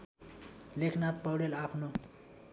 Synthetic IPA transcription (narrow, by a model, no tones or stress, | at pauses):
lekʰnat̪̚pʌwɽelapʰno